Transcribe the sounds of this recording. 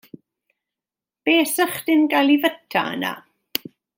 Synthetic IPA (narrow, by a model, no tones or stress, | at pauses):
b̥eːsəχdɪnɡajlˠivətʰa̰ə̰na̰